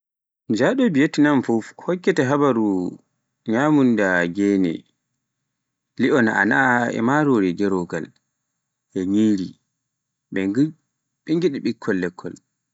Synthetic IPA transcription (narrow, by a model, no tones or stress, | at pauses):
d͡ʒaɗɔbijetːinanfufhɔkːɛtɛɦabaɾu | ɲamundaɡɛːnɛ̰ | liʔɔnaʔa̰naɛ̰maɾoɾiɡɛɾɔɡa̰l | ʔɛɲiːɾi | ɓɛ | ɓɛŋɡiɗiɓikʰːɔlːɛkʰːɔl